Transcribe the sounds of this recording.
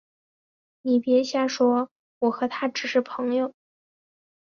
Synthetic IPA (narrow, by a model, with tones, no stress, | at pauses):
ni˨˩pjɛ˧˥ɕja˥˩ʂwɔ˥ | wɔ˨˩xɤ˧˥t̪ʰa˥ʈ͡ʂɻ̩˨˩ʂɻ̩˥˩pʰɤ˧˥ŋjo˥˧˩ʊ